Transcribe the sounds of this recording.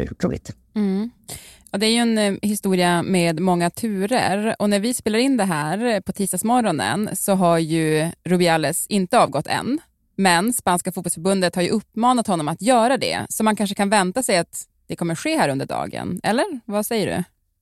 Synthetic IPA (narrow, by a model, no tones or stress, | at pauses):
kʰṵːɪ̰t̪ | m̩ | jɑːd̪ɛæɾjɵɛnhɪst̪uːɾɪameːd̪mɔŋːat̪ʰʉ̟ːɾə̰ɾɔnæɾvɪspeːlaɾɪnd̪ɛɦæːɾpʰɔt̪ʰiːst̪ɑːɡsmɔɾɔnə̰nsɔɦaɾjɵɾʊbɪalːɛsɪnt̪əɑːvɡɔt̪ːɛ̰nː | mɛnspanskafut̪̚pɔlsfœɾbɵnd̪ət̪haɾjɵʔɵpːmɑːnat̪hɔnːɔmat̪jœːɾad̪ɛ̰sɔmankʰanʂ̬əkʰanvɛnt̪asɛjat̪ | d̪ɛkʰɔmːəɾɧeːhæːɾɵnd̪əɖɑ̰ːɡə̰nɛ̰lːəɾvasɛjːəɖɵ̰